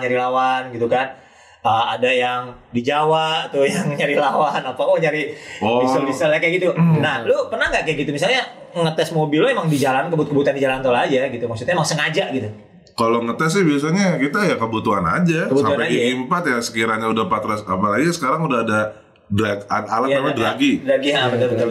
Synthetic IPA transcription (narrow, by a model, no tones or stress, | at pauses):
ɲaɾilawanɡit̪ukan | əma̰dajaŋdid͡ʒawaʔt̪ujaŋɲaɾilawanapakoɲaɾiɔiodisəlakaɡit̪unahlupərnahŋɡaʔkajaɡit̪umis̬alɲa | ŋət̪ɛsmobiloemaŋdid͡ʒalankəbut̪̚kəbut̪uandid͡ʒalant̪olad͡ʒaɡit̪umasut̪ɲaemaŋsəŋad͡ʒaʔɡit̪u | kaloŋət̪ɛs̬ɛhbias̬aɲakit̪ajakəbut̪uana̰d͡ʒakəbsutauapaiɡimpat̪jasə̥kiɾaɲaudahpat̪ɾasapalad͡ʒasə̥kaɾaŋudahada | dɾakanalaamadɾaɡidɾaɡiaamad̪abut̪u